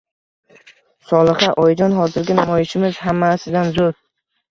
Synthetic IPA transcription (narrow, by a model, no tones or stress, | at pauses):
sɒlˠɨχɑʔɒjd͡ʒɒnɦɒzɪɾɡʲanamɒjɪʃɪmɪzhamːasɪd̪anzoɾ